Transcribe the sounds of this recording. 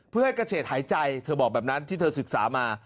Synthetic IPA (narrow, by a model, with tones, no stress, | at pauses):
pʰɯ˥˩ha˥˩jkɾa˧˩sʰeː˨˩t̪̚haː˩˦jt͡ɕa˧jt̪ʰɤː˧bɔː˨˩k̚bɛː˨˩p̚na˦˥nt̪ʰiː˥˩˧sɯ˨˩k̚saː˩˦maː˧